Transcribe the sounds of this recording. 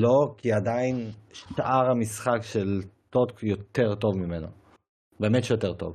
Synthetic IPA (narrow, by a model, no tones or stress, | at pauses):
lo̞kiad̪ainʃʔaʁhamisχakʃelt̪otkjot̪e̞ʁt̪o̞vmimeno̰ | beːmetjot̪e̞ʁt̪o̞̰v